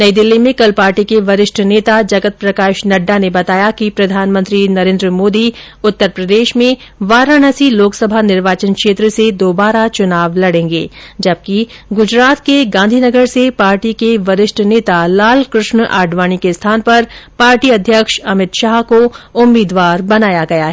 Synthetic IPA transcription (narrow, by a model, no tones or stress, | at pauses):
nɐid̪ɪlːimẽkɐlpaːɾʈikeʋɐɾɪʃʈʰneːt̪ad͡ʒɐɡət̪̚pɾɐkaːʃnɐɖːanebɐt̪aːjakipɾɐd̪ʱaːnmə̃nt̪ɾinɐɾẽːnd̪ɾəmoːd̪i | ʊt̪ːəɾpɾɐd̪eːʃmẽ | ʋaːɾanɐsiloːksɐbʱanɪɾʋaːt͡ʃənkʃeːt̪ɾəsed̪oːbaːɾat͡ʃʊnaːʋlɐɽẽːŋɡḛːd͡ʒɐb̚kiɡʊd͡ʒɾaːt̪keɡãːnd̪ʱiːnɐɡəɾsepaːɾʈikeʋɐɾɪʃʈʰneːt̪alaːlkɾʊʃɳa̰ːɖʋaːɽ̃ikest̪ʰaːnpɐɾpaːɾʈiɐd̪ʱjəkʃɐmɪt̪ʃaːɦkoʊmːiːd̪ʋaːɾbɐnaːjaɡɐjaɦɛː